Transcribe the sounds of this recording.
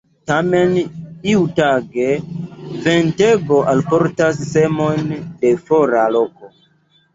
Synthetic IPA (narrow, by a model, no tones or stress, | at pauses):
tame̞niutaɡe̞venteɡo̞ʔalpo̞ɾtasːe̞monde̞fo̞ɾalo̞ko̞